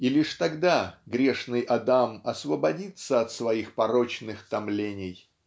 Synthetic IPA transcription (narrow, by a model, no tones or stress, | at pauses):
ilʲiʂt̪ɐɡd̪aɡɾʲeʂnɨjʔɐd̪amɐsvəbɐdʲit̪səɐt̪svɐixpɐɾot͡ɕnɨxt̪ɐmlʲenʲɪj